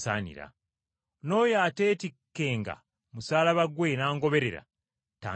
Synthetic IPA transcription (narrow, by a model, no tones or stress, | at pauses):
sa̰ːnḭɾa̰ | no̞ːjaːte̞ːtikːe̞ːŋɡa̰ | musaːlaβaɡwenaːŋɡo̞βe̞ɾe̞ɾa̰ | ta̰ː